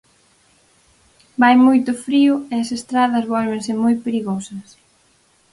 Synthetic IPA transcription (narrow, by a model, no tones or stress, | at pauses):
bajmojt̪ʊfɾiʊeɐsest̪ɾaðɐzβɔlβẽŋsɪmojpeɾiɣosɐs